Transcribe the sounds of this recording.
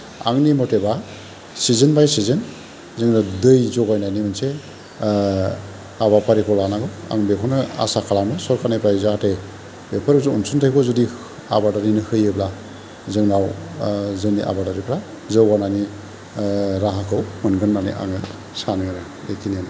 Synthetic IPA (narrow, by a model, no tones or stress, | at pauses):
a̰ŋnimɔteba | sizɯnbajsizɯn | zɯŋnadɯjzɔɡajnajnimɯnse | aβapʰaɾikʰɔlanaɡɯa̰ŋbekʰɔnɯa̰sakʰalamɯsɔɾkʰanajpʰɾazaate | bepʰaɾzuunsuntʰakʰɔzɔdi | a̰badaɾinɯhɯjɯbla | zɯŋnaw | zɯniʔa̰badaɾipʰɾa | zɯwɡanajni | ɾaɦakʰɯwmɯnɡɯnːanḭʔa̰ŋɯ | sanɯɯnɯ | ekʰiniana